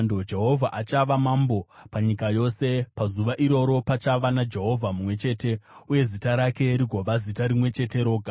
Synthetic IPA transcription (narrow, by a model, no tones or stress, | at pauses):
ndod͡ʒe̞ɦo̞vʱaʔat͡ʃaʋamambo̞paɲikajo̞se̞pazuʋaʔiɾo̞ɾo̞pat͡ʃaʋanad͡ʒe̞ɦo̞vʱamumwe̞t͡ʃe̞ːte̞uje̞zitaɾake̞ɾiɡʱoʋazitaɾimwe̞t͡ʃe̞te̞ɾo̞ːɡʱa